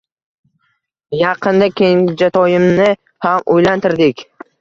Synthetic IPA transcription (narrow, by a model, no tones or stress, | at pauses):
jɑqʰɨnd̪akʲʰeŋʲɪd͡ʒat̪ʰɒjɪmnɪ | hamojlant̪ʰɪɾd̪ɪkʲ